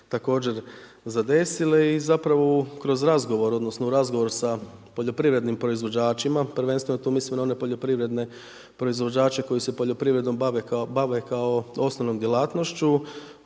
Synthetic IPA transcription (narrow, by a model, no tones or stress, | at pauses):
t̪ako̞ːd͡ʑe̞ɾ | zad̪e̞sile̞izapɾaʋo̞kɾo̞zɾazɡo̞ʋo̞ɾo̞d̪nosnouɾazɡo̞ʋo̞ɾsa | po̞ʎo̞pɾiːʋɾe̞d̪nimpɾo̞izʋo̞d͡ʑaːt͡ʃimapɾ̩ʋe̞nst̪ʋenot̪uːmislimnao̞ne̞po̞ʎopɾiʋɾe̞d̪ne̞ | pɾo̞izʋo̞d͡ʑaːt͡ʃe̞ko̞jise̞po̞ʎo̞pɾiːʋɾe̞d̪no̞maʋebaʋe̞kaoo̞snoʋno̞md̪jelˠaːt̪no̞ʃt͡ʃu